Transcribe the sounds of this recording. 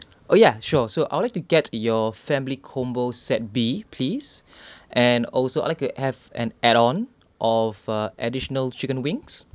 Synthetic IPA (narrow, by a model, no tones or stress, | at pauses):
ʔojaʃusoʔaɪjwlajk̚tuɡɛtjɔfɛ̃mlikʰɔ̃mbosɛt̚bipʰlisʔɛ̃nɔlsoa̰ɪlaɪk̚tuhɛvɛ̰̃nɛtɔ̃n | ʔɔvaʔɛdiʃənəlt͡ʃikə̃nwĩŋs